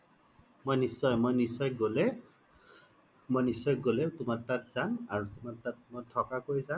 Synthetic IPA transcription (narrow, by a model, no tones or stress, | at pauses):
mojnisɔjmojnisɔjɡole | mojnisɔjɡoletumattat̚zanaɹutumattat̚mɔtʰɔkakoɹjzan